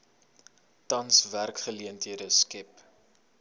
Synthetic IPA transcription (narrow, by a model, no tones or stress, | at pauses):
tɐnsværkχəliəntɦiədəskɛp